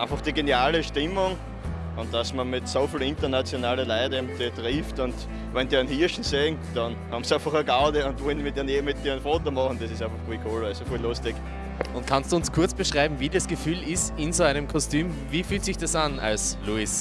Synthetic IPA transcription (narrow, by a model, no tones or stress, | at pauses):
ʔɛ̃nfɔχd̥iɡenjaːləʃtɪmʊŋ | ʊ̃nt̚d̥asmɐmɪtsofilɪntɐnat͡sjonaːləlaɪdəmditʁiːftʊnt | ʋɛndiːɛnhiɐʃn̩seːnd̥ɑn | hɑbmsãnfɔχəɡaʊdəʊ̃ntvɔlnmɪtinemɪt̚ːiːənfoːtomɔχn̩d̥ɛsɪstæ̃nfɔχɡwiːkʰoːlvɛsofilʊstɪk | ʊnt̚kʰanstd̥uːʊnskʰʊɐt͡sb̥əʃʁaɪbm̩viːdasɡ̥əfyːlɪstɪnzoæɪnəmkʰɔstyːm | viːfyːltsɪçd̥asana̰lsluis